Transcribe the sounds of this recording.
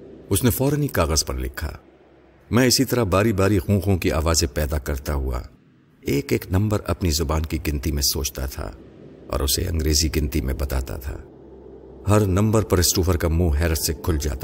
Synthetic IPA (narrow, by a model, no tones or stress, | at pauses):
ʊsnefɔːɾənikaːɣəzpɐɾlɪ̰kʰːa̰ː | mɛ̃ɪsit̪ɐɾaɦbaːɾibaːɾiɣũːɣõkiʔa̰ːʋaːzẽpɛːd̪akɐɾt̪aɦua̰ | eːkeːknɐ̃mbəɾʔɐ̰pnizʊbaːnkiɡɪ̃nt̪imẽsoːt͡ʃt̪a̰t̪ʰa̰ɔ̰ːɾʊsḛɐ̰̃ŋɡɾeːziɡɪ̃nt̪imḛ̃bɐt̪a̰ːt̪a̰t̪ʰa̰ː | hɐɾnɐ̃mbəɾpɐɾɪsʈuːfəɾkamũːɦɛːɾət̪sekʰʊld͡ʒa̰ːt̪a